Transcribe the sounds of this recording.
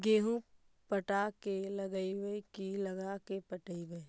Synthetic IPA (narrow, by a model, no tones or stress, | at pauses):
ɡeːɦũ | pəʈakelɐɡəibəkilɐɡakepəʈəibəj